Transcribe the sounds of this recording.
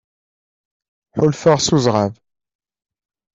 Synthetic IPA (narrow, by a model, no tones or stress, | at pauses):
ħʊlfəʁsuzʁav